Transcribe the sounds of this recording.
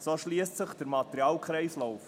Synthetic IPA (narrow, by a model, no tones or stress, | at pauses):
soʃliəstsəχd̥əɾmɑt̪əɾiɑːlkχɾɛɪslɔwf